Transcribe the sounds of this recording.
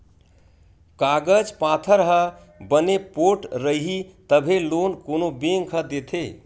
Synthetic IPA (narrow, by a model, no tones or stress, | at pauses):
kaɡəd͡ʒpat̪ʰəɾɦə | bənepoʈɾəiɦit̪əbʱelonkonobeŋkʰəd̪et̪ʰe